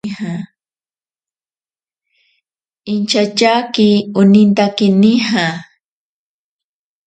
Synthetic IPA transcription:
ha | ɪnt͡ʃat͡ʃakɪʊnɪnt̪akɪnɪha

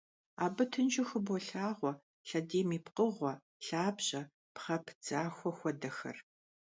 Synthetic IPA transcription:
aːbɨtʰɨnt͡ʃɪxɨbʷɔɬaːʁʷɔ | ɬɐdeːmiːpqəʁʷɔ | ɬaːbɕʼɐ | pχɐpʰd͡zaːxʷɔxʷɔdɐxɐ̰r

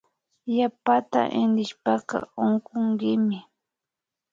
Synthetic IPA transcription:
japat̪a̰ʔɪnɾɪʃpɑqɑ̰oɴqoɴɢɪmɪ

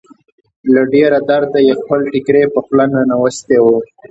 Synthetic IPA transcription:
laɖeɾad̪aɾd̪ajexpəlʈɪkɾepəxlananawəst̪ewo

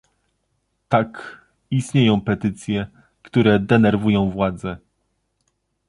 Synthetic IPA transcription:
t̪ak | ist̪ɲejɔ̃w̃pɛt̪ɘt̪sʲjɛ | kt̪uɾɛd̪ɛnɛɾvujɔ̃w̃vwad̪zɛ

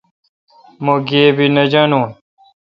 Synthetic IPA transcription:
moɡeːbinɐd͡ʑanũː

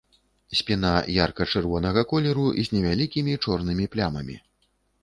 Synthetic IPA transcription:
sʲpʲin̪ajarkɐt͡ʂɨrvɔn̪ɐɣɐkɔlʲɛɾuzʲnʲɛvʲalʲikʲimʲit͡ʂɔrnɨmʲiplʲamɐ̰mʲḭ

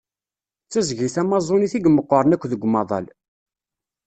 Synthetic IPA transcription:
t͡sːæzʝiθæmɑzˤoniθiɡəmːəqːəɾˤənækʷːðəɡʷːmɑðˤɑ̰l

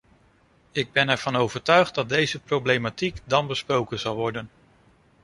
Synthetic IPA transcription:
ɪɡ̚bɛnɛɹv̥ɑnowvəɹtœɥχd̚dɑt̚dejzəprowblejmatikdɑnbəsprowkənzɑlˠʋɔɹdən

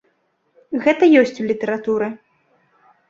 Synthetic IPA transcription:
ɣɛt̪ɐjɔsʲt͡sʲulʲit̪ɛɾat̪uɾɨ

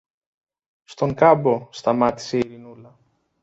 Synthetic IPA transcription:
st̪o̞ŋkɐbo̞st̪ɐmɐt̪i̥se̞iɾinulɐ

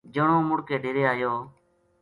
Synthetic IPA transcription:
d͡ʒəɳõːmʊɽkeːɖʱeːɾeːaːjoː

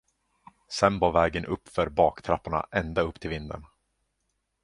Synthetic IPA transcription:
sɛnbɑːɾvɛːɡənʔɵpːfœɾbɑːkt̪ʰɾapːaɳa̰ʔɛnd̪aɵpːt̪ʰɪlvɪnd̪ə̰ɳ

